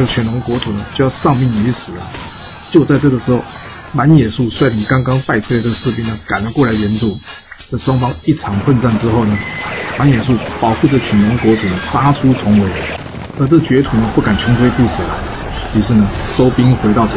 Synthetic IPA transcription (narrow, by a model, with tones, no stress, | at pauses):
ə˥ɡə˩t͡ɕʰɥɛ˨˩nʊ˧˥ŋkwɔ˧˥t̪ʰu˨˩nə˦t͡ɕjo˥˧ʊjɑ˥˧ʊʂɑ˥˧ŋmi˥˩ŋy˧˥ʂɹ̩˨˩ə˦ | t͡ɕjo˥˧ʊt͡sa˥˧ɪʈ͡ʂɤ˥˩ɡə˩ʂɻ̩˧˥xo˥˩ʊ | ma˧˥njɛ˨˩su˥˧swa˥˩ɪli˨˥˩kɑ˥ŋkɑ˥ŋpa˥˩ɪʈ͡ʂʰu˥la˧˥ɪʈ͡ʂə˥˩ə˧ʂɻ̩˥˧˩p̬i˥nə˧ka˨˩nlə˦kwɔ˥˩la˧˥ɪɥɛ˧˥nt̪u˥˩ | ə˥˩ʂwɑ˥ŋfɑ˥ŋi˥˩ʈ͡ʂʰɑ˧˥ŋxʰwə˥˧nt͡sa˥˩nʈ͡ʂɻ̩˥xo˥˩ʊnə˩ma˧˥njɛ˨˩s̬u˥˩pɑ˨˩ʊxu˥˩ʈ͡ʂɤ˥˩t͡ɕʰɥɛ˨˩nlʊ˧˥ŋkwɔ˧˥t̪ʰu˨˩nə˩sa˥ʈ͡ʂʰu˥t͡sʰʊ˧˥ŋwe˧˥ɪ˨ | ə˧˥ʈ͡ʂɤ˥˩t͡ɕɥɛ˧˥t̪ʰu˨˩nə˦pu˥˩ka˨˩nt͡ɕʰʊ˧˥ŋfwe˥˧pu˥˩s̩˨˩lə˦ | py˨˥ʂ̬ɻ̩˥˩nə˩ʂo˥ʊpi˥ŋxwe˧˥ɪt̪ɑ˥˩ʊ˧